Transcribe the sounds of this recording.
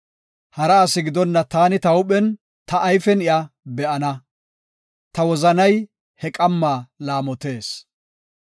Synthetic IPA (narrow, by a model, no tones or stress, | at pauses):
hɐɾɐːsɪɡɪd̪ɔnːɐt̪aːnɪt̪ɐwʊpʼɛn | t̪ɐʔːjfɛnɪjɐbɛʔɐnɐ | t̪ɐwɔzɐnɐj | hɛkʼɐmːaːlaːmɔt̪e̞ːs